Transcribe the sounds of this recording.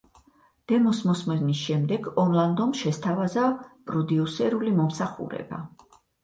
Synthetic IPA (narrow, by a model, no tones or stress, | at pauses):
d̪̥ɛmɔsmɔsmɛnisʃɛmd̪ɛɡɔnlˠand̪ɔmʃɛst̪ʰavazapʼɾɔd̪iusɛɾulimɔmsaχṵɾɛ̰b̥a̰